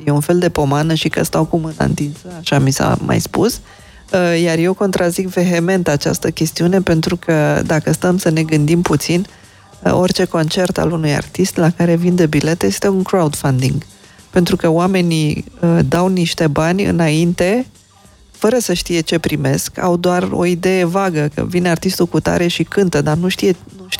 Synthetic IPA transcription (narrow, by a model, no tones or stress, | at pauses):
jeunfe̞ld̪e̞po̞manəʃikə̰st̪awkumɨna̰nt̪insəaʃamisa̰ma̰jspus | jarje̞wko̞nt̪ɾazikve̞ɦe̞me̞nt̪at͡ʃa̰st̪əkʲe̞st̪iune̞pe̞nt̪ɾukʰəd̪akəst̪əmsəne̞ɡɨnd̪imput̪sin | o̞rʲt͡ʃe̞ko̞nt͡ʃe̞rt̪a̰lunuja̰rt̪ist̪lakaɾe̞vind̪ebile̞t̪jest̪e̞uŋkɾaud̪fand̪iŋɡ | pe̞nt̪ɾukəoame̞niəd̪awniʃt̪e̞banʲɨ̰naint̪e̞ | fəɾəsəʃt̪ije̞t͡ʃe̞pɾime̞ska̰wd̪oaro̞̰id̪e̞je̞vaɡəkə̰vinart̪ist̪ukut̪a̰ɾe̞ʃikɨnt̪əd̪anuʃt̪ijenuʃ